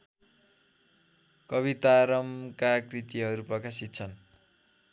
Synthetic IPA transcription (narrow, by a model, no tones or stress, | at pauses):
kʌβit̪aɾʌmkakrit̪iɦʌɾuprʌkasit̪̚t͡sʰʌn